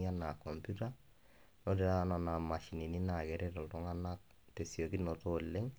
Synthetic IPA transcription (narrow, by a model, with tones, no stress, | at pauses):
a˦na˨kɔ˨mpju˦ta | no˦de˨ɾa˦nɔ˨na˨ma˨ʃi˨ni˨ni˦na˨kɛ˨ɾɛtɔ˨ltɔ˦ŋanak̚ | te˨sioki˦nɔ˨to˦lːɛ˦ŋ